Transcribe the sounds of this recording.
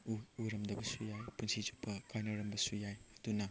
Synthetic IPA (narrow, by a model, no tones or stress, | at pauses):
uuɾɐmdɐbɐsujajpunsʰid͡ʒupʰːɐkʰajnɐɾɐmbɐsujajɐdunɐ